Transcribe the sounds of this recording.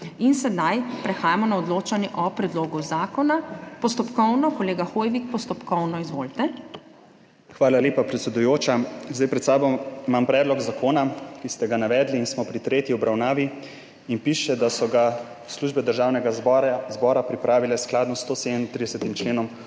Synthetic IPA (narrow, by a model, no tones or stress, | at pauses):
insɛd̪ajpɾɛxaːjamɔnaɔd̪loːt͡ʃanjɛʔɔpɾɛd̪loːɡuzaːkɔnapɔst̪ɔpkɔwnɔkɔleːɡaxoːjʋikpɔst̪ɔpkɔwnɔizʋoːlt̪ɛ | xʋaːlaleːpapɾɛt̪sɛd̪ujoːt͡ʃazd̪ajpɾɛt̪saːbɔmampɾɛːd̪lɔɡzakʰoːnakist̪ɛɡanaʋɛːd̪liːnsmɔpɾit̪ɾeːt̪jiɔbɾawnaːʋi | inpiːʃɛd̪asɔɡa | sluːʒbɛd̪əɾʒaːwnɛɡazbɔːɾapɾipɾaːʋilɛsklaːd̪nɔst̪oːsed̪ɛmint̪ɾid̪ɛsɛt̪imt͡ʃleːnɔm